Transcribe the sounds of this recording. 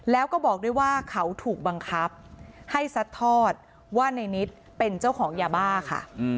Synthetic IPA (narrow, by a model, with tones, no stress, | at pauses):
lɛː˦˥wkɔː˥˩bɔː˨˩k̚duː˥˩jwaː˥˩kʰa˦˥wt̪ʰuː˨˩k̚ba˧ŋkʰa˦˥p̚ha˥˩jsa˦˥t̪ʰːɔː˥˩t̪̚ | waː˥˩na˧jni˦˥t̪̚ | pe˧nt͡ɕa˥˩wkʰɔː˩˦ŋjaː˧baː˥˩kʰa̰˥˩